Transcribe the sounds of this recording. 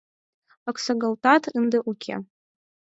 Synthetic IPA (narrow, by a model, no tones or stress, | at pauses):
akʷʰsaɡaltʰʼatʰɨndaʔukʲʰa̰